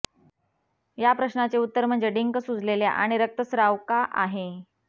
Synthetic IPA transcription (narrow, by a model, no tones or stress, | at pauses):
japɾəɕnat͡seut̪ːəɾmənd͡zeɖiŋkəsud͡zʱlelja̰ʔaɽ̃iɾək̚t̪əsɾaʋkaʔaɦe